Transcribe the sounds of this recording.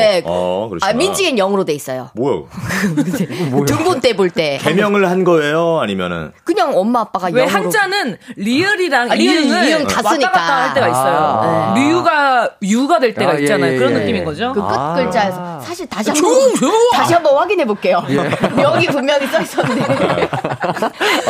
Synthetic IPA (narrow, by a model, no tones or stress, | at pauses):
ḛkɯɾʌamind͡ʑiɡenjʌŋɯɾode̞is͈ʌjo̰boj̰kkɯeɯmbont͈e̞boɭt͈e̞kemjʌŋɯɭhanɡʌe̞joaɲimjʌ̰nɯ̰nkɯɲaŋʌmːaːp͈aɡajwehanɾod͡ʑanɯnliɯɾiɾaŋiɯŋɯiɯŋtas͈ɯɲiaaaahaɭt͈eɡais͈ʌjonemiuɡajuɡadweɭt͈e̞ɡait͡ɕ͈anajokɯɾʌnːɯk͈iminɡʌd͡ʑokɯk͈ɯt̚k͈ɯɭt͡ɕ͈aesʰʌsʰaɕʰiɭtaɕʰia | taɕʰiɦambʌnɸwaɡinɦe̞bok͈e̞jomjʌŋɡipumːjʌŋis͈ʌis͈ʌnɯnde